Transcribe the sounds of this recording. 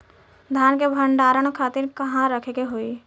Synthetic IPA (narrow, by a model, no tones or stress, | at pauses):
d̪ʱjaːnkebʱəɳɖaːɾəɽ̃kʰaːt̪ɪɾkəɦãɾəkʰeɡeɦoːi